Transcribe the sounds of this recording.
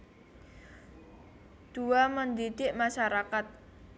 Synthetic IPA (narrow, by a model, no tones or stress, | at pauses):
d̪̥uamənd̪iɖɪʔmaʃaɾakat̪̚